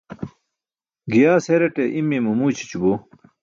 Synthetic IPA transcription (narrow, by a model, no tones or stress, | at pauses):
ɡijaːseɾeʈeʔimːimumuːt͡ɕi̥t͡ɕubu